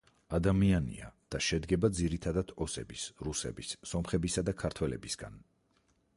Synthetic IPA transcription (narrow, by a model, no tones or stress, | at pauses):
ad̪amianḭad̪̥aʃɛd̪ɡɛbad̪ziɾit̪ʰad̪ad̪̥ʰɔsɛ̰bisɾusɛ̰bisːɔmχɛbisad̪akʰaɾt̪ʰwɛlɛ̰bisɡa̰n